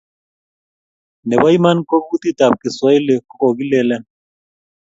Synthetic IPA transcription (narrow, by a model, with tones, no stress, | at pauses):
nɛ˨ba˦i˦ma˦nko˦k̚ku˦t̪i˦˨ta˨p̚ki˨sɔ˦i˦lɛ˨ko˨ki˦lɛ˦˨lɛ˦n